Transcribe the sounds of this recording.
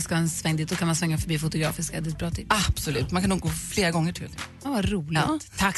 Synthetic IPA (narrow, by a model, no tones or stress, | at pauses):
skaɛnsvɛŋːd̪iːt̪d̪ɔkanmansvɛŋːafœɾbiːfʊt̪ʊɡɾɑ̰ːfɪskad̪ɪt̪̚bɾɑːt̪ʰɪpːab̥sɔlʉːt̪mankʰanːuːk̚ɡoːfleːɾaɡɔŋːəʈʰɪ̰lk | avaɾuːlɪt̪ʰak